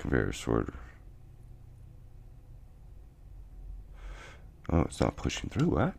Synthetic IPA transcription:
kvɛ̰ɹḭsɔ̰ɹɾə˞ | ʔoʊɨtsnə̰t̚pʰʊʃɪ̃ŋθɹʉwæt̚

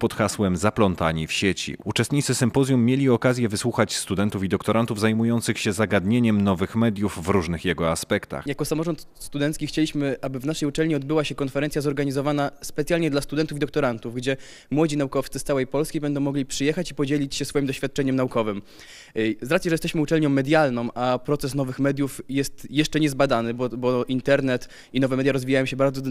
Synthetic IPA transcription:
pɔt̪xaswɛmzaplɔnt̪aɲifɕet͡ɕḭut͡ʂɛst̪ɲit̪sɘsɘmpɔzʲjumːjelʲiɔkazʲjɛvɘswuxat͡ɕst̪ud̪ɛnt̪ufid̪ɔk̚t̪ɔɾant̪uvzajmujɔnt̪sɘxɕɛzaɡad̪ɲeɲɛmnɔvɘxmɛd̪ʲjuvːɾuʐnɘxjɛɡɔaspɛkt̪a̰xjakɔsamɔʐɔnt̪ | st̪ud̪ɛnt̪skʲixt͡ɕelʲiɕmɘʔabɘvnaʂɛjut͡ʂɛlɲiɔd̪̚bɘwaɕɛkɔnfɛɾɛnsjazɔɾɡaɲizɔvanaspɛt̪sʲjalʲɲɛd̪last̪ud̪ɛnt̪ufʲid̪ɔk̚t̪ɔɾant̪uvɡd͡ʑɛ | mwɔd͡ʑinaukɔft̪sɘst̪awɛjpɔlskʲijbɛnd̪ɔw̃mɔɡlʲipʂɘjɛxat͡ɕipɔd͡ʑelʲit͡ɕɕɛsfɔjimd̪ɔɕfʲjat̪̚t͡ʂɛɲɛmnaukɔvɘm | zɾat̪jɛʐɛjɛst̪ɛɕmɘut͡ʂɛlɲɔ̃w̃ːɛd̪ʲjalnɔ̃w̃mʔapɾɔt̪sɛsnɔvɘxmɛd̪ʲjufjɛst̪jɛʂt͡ʂɛɲɛzbad̪anɘbɔbɔint̪ɛɾnɛt̪ | inɔvɛmɛd̪ʲjaɾɔzvʲijajɔ̃ɕɛbaɾd̪zɔ

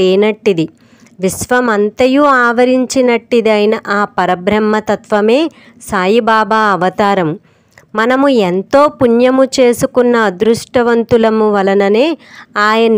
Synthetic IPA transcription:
eːnɐʈːid̪i | ʋisʋɐmɐnt̪ɐjuaːʋɐɾiɲt͡ʃinɐʈːid̪iɐjinɐʔaːpɐɾɐbɾɐmːɐt̪ɐt̪ʋɐme̞ː | saːjibaːbaːɐʋɐt̪aːɾɐmu | mɐnɐmuent̪o̞ːpuɲjɐmut͡ʃe̞ːsukunːɐːd̪ɾuʂʈɐʋɐnt̪ulɐmuʋɐlɐnɐne̞ːaːjɐn

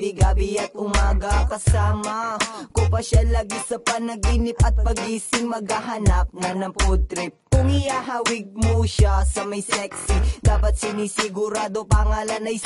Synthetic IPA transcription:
ɪɡaːbɪjɐt̪̚ʔʊmaːɡɐkɐsaːmɐkʊpɐʃalaːɡisɐpɐnɐɡinɪp̚ʔɐt̪̚pɐɡiːsɪŋmɐɡaɦɐnap̚nɐnɐŋpot̪ɾɪp̚kʊŋɪjaɦawɪɡ̚moʃasɐmɐjsɛksid̪aːpɐt̪̚sɪniːsɪɡʊɾaːd̪opɐŋaːlɐnʔɐj

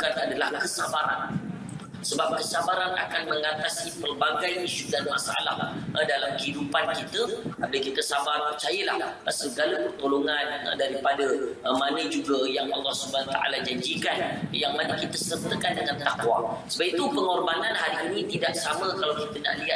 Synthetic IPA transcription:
kanadalahkəsabaɾa̰n | səbap̚kəsabaɾana̰kanmə̃ŋat̪asipərbaɡajiʃudanma̰saʔa̰la̰hdalamkəhidupankit̪əabəkit̪əsabarpərt͡ʃajəla̰hsəɡaləpərt̪oloŋan̰daɾipadəmanə̃d͡ʒuɡəjaŋʔɑlːɑhsubanat̪aʔa̰lad͡ʒaɲd͡ʒikanjaŋmanəkit̪əsərt̪əkandəŋant̪akwa̰səbap̚it̪upəŋɔrbananɦaɾiːnĩt̪idaʔsaməkalawkit̪əna̰ʔliɦa

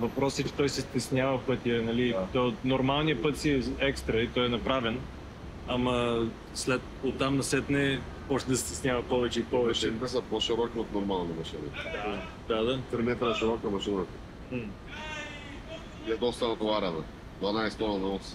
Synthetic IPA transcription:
vɐpɾɔsət͡ʃɛ̥t̪ɔjsɛst̪ɛsnʲjavəfpɤt̪ʲiɐnɐlit̪ɔt̪nʊɾmalˠnijəpɤt̪siɛɛkst̪ɾɐit̪ɔjɛnɐpɾavɛn | ɐmɐ | slɛt̪ | ot̪ːamnɐsɛt̪nɛ | ɔʃt̪ɛd̪ɐsɛ̥t̪ɛsnʲjavɐpɔvɛt͡ʃɛipɔvɛt͡ʃɛt̪ɛsəpoʃiɾɔkiot̪noɾmalˠnimɐʃinḭd̪a | d̪ad̪asɾɛɛt̪ɛnɐʃiɾɔkəmɐʃinət̪ə | ɛd̪nɔst̪anɐt̪oaɾanɐ | d̪vɐnajst̪ɔnnɐɔs

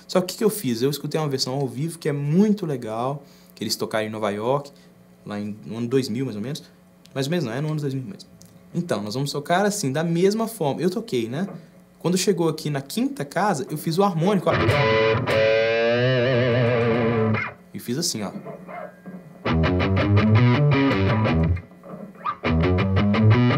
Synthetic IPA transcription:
sɔkʊkɪ̥kɪewfizewiskut̪ejũmɐveɾsɐ̃w̃awvivʊkɪɛmũj̃t̪ʊleɡaw | kɪelɪst̪okaɾẽnɔvajɔɾkɪ̥ | laẽɐ̃nʊd̪ojzmiwmajzomẽnʊs | majzomẽnzñɛnũɐ̃nʊzd̪ojzmiwmḛ̃sẽt̪ɐ̃w̃nɔzvɐ̃mʊst̪okaɾasĩd̪ɐmezmɐfɔɾmɐewt̪okejnɛ | kwɐ̃nd̪eʃeɡowakʰinɐkʰĩt̪ɐkazɐʔewfizʊaɾmõnikʊapĩã | ɪfizasĩɔ̰

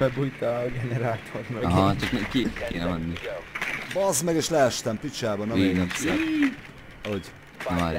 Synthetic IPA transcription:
ɛbujt̪ɒɡɛnɛɾaːt̪ʰormɦɒt͡ʃɒknɛkikḛːnɛmɛnːi | bɒzmɛɡeːʃlɛɛʃt̪ɛmpit͡ʃaːbɒnɒemenɛs | ɒoɟ | ma

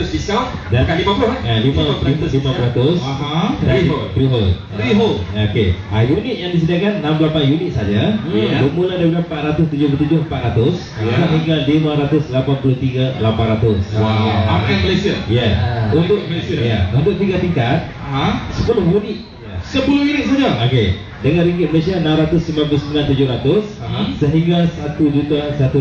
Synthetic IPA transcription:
ʊsfiskal | dakalimapulʊhjalimalimãpulɾat̪ʊsaɦaiot̪ɾiɦolɾiɦoloke | ajunit̪̚jaŋdis̬ədiakanːãmblapanjunit̪̚sad͡ʒabəmuladabulampat̪̚ɾat̪ʊst̪ud͡ʒʊhpulut̪ud͡ʒʊhmpat̪ɾat̪ʊs | kaʔɦiŋɡalimãɾat̪ʊslapanpulʊht̪iɡalapanɾat̪ʊswaaaməlesiəjaunt̪ʊklesjaunt̪ʊk̚t̪iɡat̪iŋkat̪̚aasəpulʊhɦjunit̪̚jasəpulʊhunit̪̚sad͡ʒaoke | dəŋãnɾiŋɡɪt̪̚məlesianãmɾat̪ʊsimlãnpulʊsəmilant̪ud͡ʒʊhɾat̪ʊsːəɦiŋɡasat̪ud͡ʒut̪asat̪u

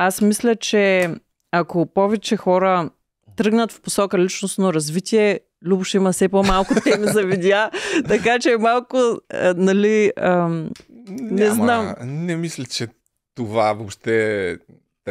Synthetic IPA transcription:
asmislʲət͡ʃɛ | akopɔvɛt͡ʃɛxɔɾə | t̪ɾɤɡnət̪fposɔkəlit͡ʃnosnoɾɐzvit̪ʲiɛ | lʲubʊʃimɐsɛpomalˠkʊt̪ɛmizɐvid̪ʲjat̪ɐkat͡ʃɛmalˠkʊnɐliə | nɛznamnɛmislʲɛt͡ʃɛ | t̪ovavopʃt̪ɛ

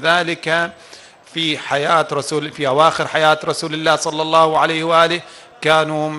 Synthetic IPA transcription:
ðaːlɪka | fiħajaːt̪ɾˤɑsuːlfiʔawaːxɪɾħajaːt̪ɾˤɑsuːlɪlːaːhsˤɑlːɑlˤːɑːhʕalajhwʔaːlɪh | kaːnum

